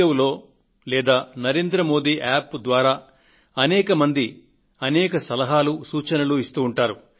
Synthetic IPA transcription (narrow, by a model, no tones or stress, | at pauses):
ɐwlo̞ː | lɛːd̪aːnɐɾe̞ːnd̪ɾɐmo̞ːd̪iːʔaːpd̪ʋaːɾaː | ɐnɛːkɐmɐnd̪i | ɐnɛːkɐsɐlɐɦaːlusuːt͡ʃɐnɐluist̪uːɳʈaːɾu